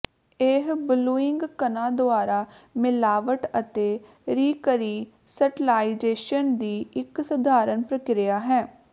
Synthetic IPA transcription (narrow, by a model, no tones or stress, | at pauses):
eɦbʊluːɪŋɡkənãːd̪ʊaːɾaːmɪlaːʋəʈət̪eː | ɾiːkəɾiː | səʈɪlaːid͡ʒeːʃənd̪iːɪksəd̪ʱaːɾənpɾəkɾɪjaːɦɛː